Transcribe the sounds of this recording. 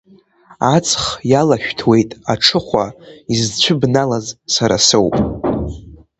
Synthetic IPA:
at͡sʰʼχjalaʃᶣtʰwe̞jtʼaʈ͡ʂʰɨχʷaizt͡ɕʷʰʊbnalazsaɾa̰sɨwpʼ

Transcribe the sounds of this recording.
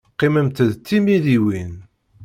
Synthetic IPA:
qːiməmt̪əðt͡s̪ːimiðiwin

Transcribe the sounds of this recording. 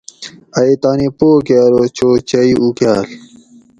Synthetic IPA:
ɐit̪aːnipoːkjaːɾoːt͡ɕoːt͡ɕɐiʔukjaːl

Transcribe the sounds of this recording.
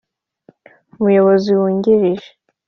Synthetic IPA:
umujo̞βoziwuːɲɟiɾiʒe

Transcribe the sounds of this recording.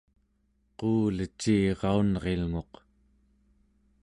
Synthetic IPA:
quːlət͡ʃːiːʁɑunʁe̞lŋo̞q

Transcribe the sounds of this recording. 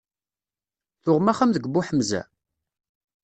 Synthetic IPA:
θʊʁmæχamðəɡbːuħəmzæ̰

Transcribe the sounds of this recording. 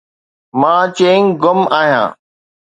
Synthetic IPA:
mãːt͡ɕeːŋɡʊmaːɦjã̰ː

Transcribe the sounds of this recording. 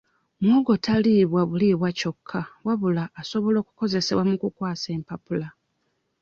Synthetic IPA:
mwoɡo̞taliβwaβuliβwaco̞kʰːawaβulaːso̞βo̞lo̞ːku̥ko̞ze̞se̞̰βwamukukwaːse̞ːmpapula

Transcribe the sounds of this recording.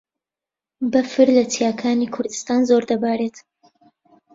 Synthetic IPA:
bɐfɨɾlɐtʰijaːkʰaːnikʰʊɾd̪ɨst̪aːnzoɾd̪ɐbaːɾeːt̪

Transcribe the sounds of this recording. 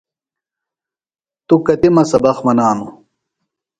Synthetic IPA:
t̪ukɐt̪imɐsɐbɐxmɐnaːnu

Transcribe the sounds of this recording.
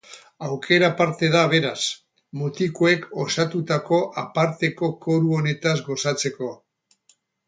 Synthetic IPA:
awkʰe̞ɾapaɾt̪e̞ðaβ̞e̞ɾas | mut̪ikoe̞ko̞sat̪ut̪ako̞ʔapaɾt̪e̞ko̞ko̞ɾuo̞ne̞t̪azɡo̞sat͡se̞ko̞

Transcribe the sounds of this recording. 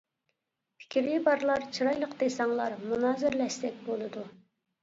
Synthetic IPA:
pʰɪ̥kʲɾibɑɾlˠɑɾt͡ʃʰɨɾɑjlˠəqd̪esɑŋlˠɑɾmunɑːzɪɾlɛʃt̪ɛk̚ʲbolˠɨd̪u

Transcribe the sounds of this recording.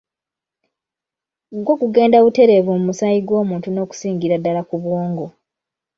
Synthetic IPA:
ɡwo̞ːkuɡe̞ːndaβute̞ɾe̞vumumusajiɡwo̞ːmuːntuno̞ːku̥siːŋɡiɾadːalakuβwoːŋɡo̞

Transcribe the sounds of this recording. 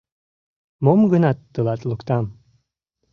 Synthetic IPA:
momɡɨnat̪d̪ɨlat̪ʼlukt̪am

